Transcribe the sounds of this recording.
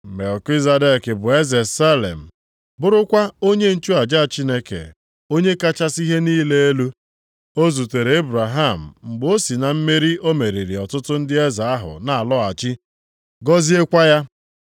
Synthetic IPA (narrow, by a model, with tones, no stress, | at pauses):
me˨lki˦za˨de˦˨kɪ˨bʊ˨e˦ze˨sa˦lḛ˨m̩˨ | bʊ˦ɾʊ˦kʷa˦o˦ɲe˦n̩˦t͡ʃu˦a˨d͡ʒa˦a˨t͡ʃi˦ne˦kḛ˨ | o˦ɲe˦ka˦t͡ʃa˦si˦ɦe˦niː˦le˦e˦lu˦ | o˦zu˨te˨ɾe˨e˦bɾa˨ɦa˦˨m̩˨ŋ͡m̩˨ɡ͡bo˦si˨na˨m̩˦me˦ɾi˦ʔo˦me˨ɾi˨ɾi˨ɔ˨tʊ˦tʊ˦n̩˦dɪ˦e˦za˨a˦ɦʊ̰˨na˨a˨lɔ˦a˨t͡ʃi˦ | ɡɔ˦zi˦e˦kʷa˦ja˦